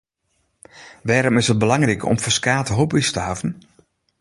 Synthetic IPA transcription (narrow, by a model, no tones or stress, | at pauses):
ʋɛːɾɔmɪsət̚bəlaŋrikɔ̰mfəskaːtəɦopistəɦavən